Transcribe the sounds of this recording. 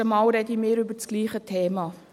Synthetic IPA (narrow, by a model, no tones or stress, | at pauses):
əmɑːwɾɛdimɪːɾʏbət͡sɡ̥liːχətʰeːmɑ